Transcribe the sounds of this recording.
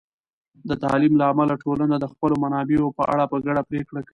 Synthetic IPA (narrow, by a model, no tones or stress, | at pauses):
d̪ət̪ɑlimlaːmalaʈolanad̪əxpəlomanɑbeopəʔa̰ɽapəɡaɽapɾekɽakai